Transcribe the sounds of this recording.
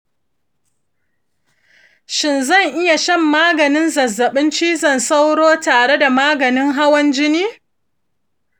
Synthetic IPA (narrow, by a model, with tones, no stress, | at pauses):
ʃɪ˨nzɐ˦˨ŋʔɪ˦ja˨ʃɐ˦˨mːaː˦ɡɐ˨nɪ˦nzɐ˨zːɐ˨ɓɪ˦nt͡ʃiː˦zɐ˨nsa˦wɽoː˦taː˨ɽe˦da˨maː˦ɡɐ˨nɪ˦ŋɦa˦wɐ˦nd͡ʒɪ˦niː˦